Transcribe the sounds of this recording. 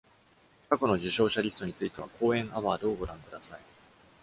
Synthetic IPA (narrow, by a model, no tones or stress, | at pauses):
kako̞no̞ʑiɕo̞ːɕaɾʲisɨ̥t̪o̞ɲ̟it͡sɨit̪e̞βa̰kʰo̞ːẽ̞ɰ̃ʔaβaːɾɯ̟o̞ɡo̞ɾãŋkɯ̟d̪asai